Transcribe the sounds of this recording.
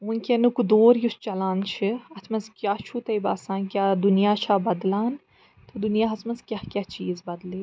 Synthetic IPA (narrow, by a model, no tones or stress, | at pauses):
ʋunkʲɐnukud̪oːɾjust͡ʃɐlaːnt͡ʃʰiɐt̪ʰmɐzkʲjaːt͡ʃʰut̪ɐibaːsãːnkʲjaːd̪unijaːt͡ʃʰaːbɐd̪laːn | t̪ɨd̪unijaːɦɐt̪ʰmɐzkʲjaːkʲjaːt͡ʃiːzbɐd̪liː